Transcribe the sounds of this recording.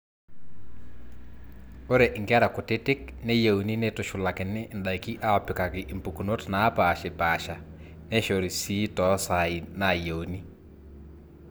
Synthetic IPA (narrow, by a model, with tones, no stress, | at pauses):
o˦ɾɛ˨ʔɪ˨ŋɡa˦ɾa˨kʊ˨te˦tɪ˦k̚ne˦je˨u˨ni˦ne˦tʊ˨ʃʊ˨la˨kɪ˨nɪ˦ʔnda˨i˨ki˦ʔa˦ɔ˨pɪ˨ka˨kɪ˨ʔɪ˨mpu˨ku˨no˦tnaː˨˦pa˨ʃɪ˨pa˨ʃa˨ | ne˦ʃo˨ɾi˨si˦tɔ˨˦sa˨i˨na˨je˨u˨ni˦